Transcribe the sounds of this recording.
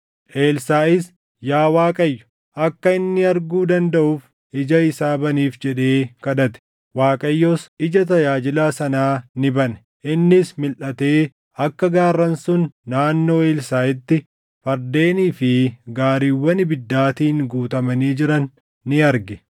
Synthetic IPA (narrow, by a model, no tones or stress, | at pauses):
ʔe̞ːlsaːɪs | jaːwaːkʼɐjːʊ̥ | ʔɐkːɐɪnːɪɐɾɡuːd̪ɐnd̪ɐʔuːf | ɪd͡ʒɐɪsaːbɐniːfd͡ʒɛᶑeːkɐᶑ̪ɐt̪ɛ̥ | waːkʼɐjːoːsɪd͡ʒɐt̪̬ɐjaːd͡ʒɪlaːsɐnaːnɪbɐnɛ̥ | ʔɪnːɪsmɪlʔɐt̪e̞ː | ɐkːɐɡaːrːɐnsʊnːaːnːo̞ːe̞ːlsaːɪt̪ːɪ | fɐɾd̪e̞ːniːfɪɡaːɾiːwːɐnɪbɪd̪ːaːt̪iːŋɡuːt̪ɐmɐniːd͡ʒɪɾɐnː | ɪɐɾɡɛ